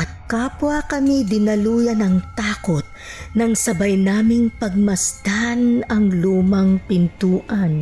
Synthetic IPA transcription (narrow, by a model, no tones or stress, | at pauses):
ʔɐt̪̚kaːpwakɐmid̪ɪnɐluːjɐnɐŋt̪aːko̞t̪̚nɐŋsɐbajnaːmɪŋpɐɡ̚mɐsd̪̥anɐŋluːmɐŋpɪnt̪uːʔɐn